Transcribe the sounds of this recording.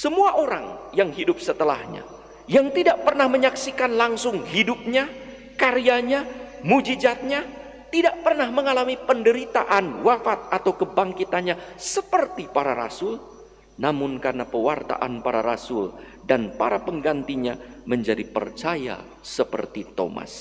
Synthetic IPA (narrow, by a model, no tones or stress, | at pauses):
səmuaʔoɾa̰ŋjaŋɦidʊp̚sət̪əlahɲa̰ | jaŋt̪idaʔpərnahməɲaksikanlaŋsʊŋhidʊp̚ɲa | kaɾiaɲamud͡ʒid͡ʒat̪̚ɲa | t̪idaʔ̚pərnahməŋalamipəndəɾit̪aʔanwafat̪̚at̪awkəbaŋkit̪anɲasəpərt̪ipaɾaɾa̰sʊl | namʊnkarənapəwart̪a̰ʔa̰npaɾa̰ɾa̰sʊl | danpa̰ɾapəŋɡant̪iɲaməɲd͡ʒadipə̰rt͡ʃaja̰ | səpə̰rt̪it̪o̰ma̰s